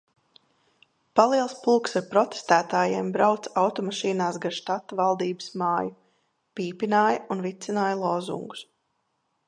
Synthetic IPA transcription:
palˠiɛlˠspuːksaɾpɾɔt̪e̥st̪æːt̪aːjɛɛmbɾawt̪sawt̪ɔmaʃiːnaːsɡanʃt̪at̪ːavalˠd̪iːbəsmaːju | piːpinaːjaunvit̪sinaːjlˠɔːzṵŋɡu̥s

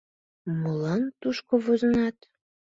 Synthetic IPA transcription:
molɑnt̪uʃkoβozənɑt̪

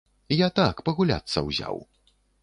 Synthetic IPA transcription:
ijat̪akpɐɣulʲa̰t̪sːɐ̰wzʲa̰w

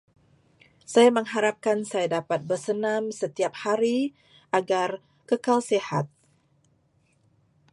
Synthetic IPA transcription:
sajaməŋɦaɾap̚kansajadapat̪̚bərsənamsət̪iap̚haɾi | aɡar | kəkalseha̰t̪̚

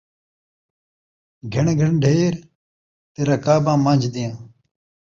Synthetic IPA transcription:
ɡʱɪɳɡʱəɳɖʱeːɾ | t̪eːɾãːkaːbãːmãːd͡ʒd̪ɪjãː

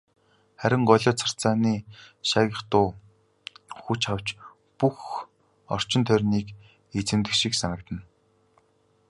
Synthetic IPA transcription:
χæɾʲɪ̆ŋɢɔɮʲɔːt͡sʰḁr̥t͡saːniːʃaːɣʲə̆χt̪ʊː | xut͡ɕaw̥t͡ɕ | pux | ɔ̰r̥t͡ɕɪ̆nt̪ʰœrʲniːk | et͡sɘ̆nt̪ɘ̆kʃiksanə̆k̚t̪ə̆n

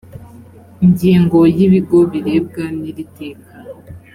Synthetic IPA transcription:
iɲɟiːŋɡo̞jiβiɡo̞βiɾe̞ːb̚ɡaniɾite̞ːkḁ

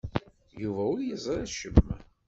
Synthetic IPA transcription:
juvæʊljəzˤɾæʃəmm

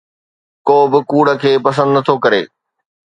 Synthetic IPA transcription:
koːbɪkuːɽə̆kʰeːpɐs̬ə̃nd̪nɐt̪ʰokɐɾḛː

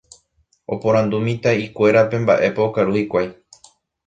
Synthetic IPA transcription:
o̞̰põ̞ɾ̃ãnd̪umĩt̪aikʷe̞ɾapẽ̞mba̰ʔe̞paokaɾuhikʷaj

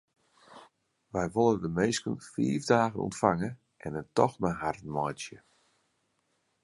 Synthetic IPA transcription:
ʋɛjʋolˠəndəmeːskənfḭːvdaːɣənɔ̰ntfaŋə | ʔɛnəntɔxmaɦartən̩mɔjsjə

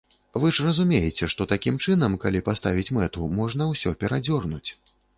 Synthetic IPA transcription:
vɨʐrɐzumʲejɛt͡sʲɛʂt̪ɔt̪akʲimt͡ʂɨnɐmkalʲipast̪avʲit͡sʲmɛt̪umɔʐnɐwsʲɔpʲɛɾad͡zʲɔrnut͡sʲ

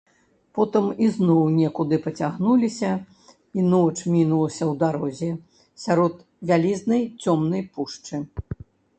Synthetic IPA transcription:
pɔt̪ɨmiznɔwnʲɛkud̪ɨpɐt͡sʲaɣnulʲisʲɐ | inɔt͡ʂmʲinulˠɐsʲɐwd̪aɾɔzʲɛ | sʲaɾɔt̪ | vʲalʲiznɐjt͡sʲɔmnɐjpuʂt͡ʂɨ

